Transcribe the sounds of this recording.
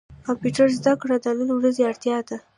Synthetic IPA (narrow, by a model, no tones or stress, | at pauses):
kɑmpjuʈaɾzd̪akɽad̪anəlewɾazeaɽt̪jɑd̪a